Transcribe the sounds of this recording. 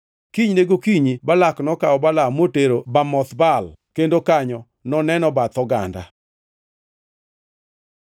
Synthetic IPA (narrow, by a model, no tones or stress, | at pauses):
kiɲneɡokiɲibalaknɔkaɔbalamoteɾobamɔt̪balkendokaɲɔ | nɔnɛnɔbat̪ɔɡa̰nda̰